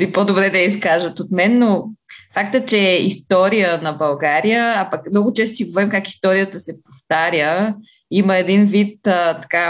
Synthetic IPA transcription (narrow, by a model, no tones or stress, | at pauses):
ipod̪obɾɛd̪ɐiskaʒət̪ot̪mɛnːofakt̪ət͡ʃɛḭst̪ɔɾijənɐbɐlˠɡaɾijəapɐkmnɔɡʊt͡ʃɛst̪oiɡovɛimkaki̥st̪ɔɾijət̪əsɛpoft̪aɾʲjə | iməɛd̪invit̪ːt̪ɐ̥ka